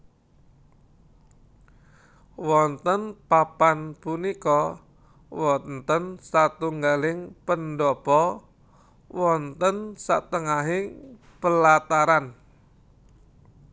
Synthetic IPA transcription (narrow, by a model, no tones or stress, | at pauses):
wɔnt̪ənpapanpunikɔ | wɔnt̪ənsat̪uŋɡalɪŋpəndɔpɔ | wʔɔnt̪ənsa̰t̪əŋaɦi | pəlat̪aɾan